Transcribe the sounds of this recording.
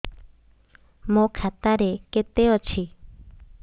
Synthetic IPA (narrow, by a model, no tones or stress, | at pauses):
mõkʰat̪aɾeket̪eot͡ʃʰi